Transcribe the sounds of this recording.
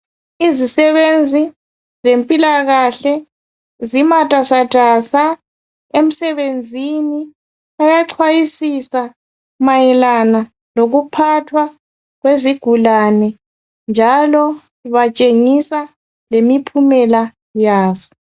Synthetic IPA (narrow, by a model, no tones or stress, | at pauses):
izisɛβend͡zʱi | zempʼilaɣaɬɛ | zimatʼasad̥ʱasa | em̩sɛβend͡zʱini | ajaǀʰwajisisa | majɛlana | loɣupʰatʰwa | ɣweziɡ̥ʱulanɛ | nd͡ʒʱalɔ | iβat͡ʃʼeŋisa | lemipʰumɛla | jaːzɔ